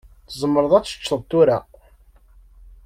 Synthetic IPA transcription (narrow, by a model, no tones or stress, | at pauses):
θəzˤmːəɾəðˤæt͡sːə̥t͡ʃːˤəðˤt̪uɾa